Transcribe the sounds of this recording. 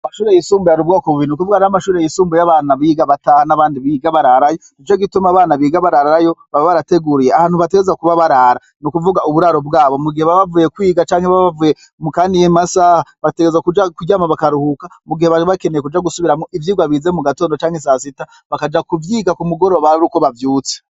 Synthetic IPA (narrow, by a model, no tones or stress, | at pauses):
amaʃuːɾejisuːmbujaɾiβɡokuβinukuvuɡanamaʃuːɾejisuːmbujaβaːnaβiːɡaβatahanaβaːndiβiɡaβaɾaɾajonit͡ʃoɡitumaβaːnaβiːɡaβaɾaɾaɾajo̞βaβoβaɾate̞ɡuɾijeaaːn̥thuβat̬e̞ɡezakuβaβaɾaɾa | nukuvuɡauβuɾaɾo̞bɡaːβo̞muɡihe̞βaβavujekwiːɡat͡ʃaːŋheβaβavuje | mukaːndijimasahaβate̞ɡezakud͡ʒakuɟamaβakaɾuhukamuɡihe̞βaβakenejekud͡ʒaɡusuβiɾamoʔivjiːɡwaβizemuɡato̞ːndot͡ʃaːŋhes̬asita | βakad͡ʒakuvjiːɡakumuɡo̞ɾoβaɾiɾuko̞βavjuːt͡se̥